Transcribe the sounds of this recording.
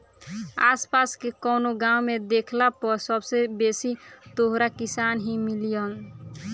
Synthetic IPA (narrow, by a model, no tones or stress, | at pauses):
aːspaskekɔnoɡãwmed̪ekʰlapəɾsəbsebesit̪oɦɾakisanɦimilijən